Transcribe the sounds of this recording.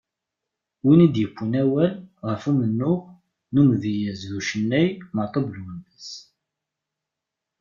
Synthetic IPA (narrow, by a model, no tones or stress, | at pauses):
winid̪jəkʷːənæwælʁəfumənːʊʁ | numðijəzðuʃənːæjmət̪ˤəblwənːəs